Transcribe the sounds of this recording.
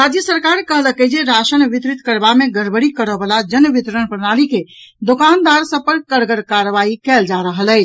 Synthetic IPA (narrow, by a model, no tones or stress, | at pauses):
ɾad͡ʒjəsəɾkaɾkəɦləkəd͡ʒeɾasənʋit̪ɾit̪kəɾbameɡʱəɾbəɽikəɾəbəlad͡ʒənʋit̪ɾənpəɾnaliked̪okand̪aɾsə̃pəɾkəɾɡəɾkaɾʋaikɛld͡ʒaɾəɦələɪt͡ʃʰ